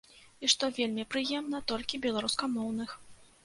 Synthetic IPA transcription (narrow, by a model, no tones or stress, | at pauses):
iʂt̪ɔvʲelʲmʲipɾɨjɛmnɐt̪ɔlʲkʲibʲɛlˠaɾuskɐmɔwnɨx